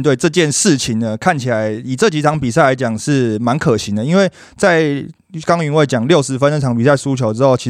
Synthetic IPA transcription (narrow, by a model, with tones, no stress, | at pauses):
t̪we˥˧ɪʈ͡ʂɤ˥˧t͡ɕjɛ˥˧nʂɻ̩˥˩t͡ɕʰi˨˩ŋd̪ə˦kʰa˥˩nt͡ɕʰi˨˩la˨˧˦ɪi˨˩ʈ͡ʂɤ˥˩t͡ɕi˧˥t̪ʰɑ˧˥˦ŋpi˨˩sa˥˩ɪla˧˥ɪt͡ɕjɑ˨˩ŋʂɻ̩˥˩ma˧˦nkʰɤ˨˩ɕi˨˦d̪ə˩˦i˥nwe˥˩ɪ | t͡sa˥˩ɪ | kɑ˥ŋy˧˥nwe˥˩ɪt͡ɕjɑ˨˩˦ŋljo˥˩ʊʂɻ̩˧˥fə˧˦n˥˩ʈ͡ʂʰɑ˨˥ŋpi˨˩s̬a˥˩ɪsu˥t͡ɕʰjo˧ʊʈ͡ʂɻ̩˥xo˥˩ʊt͡ɕʰi˧˥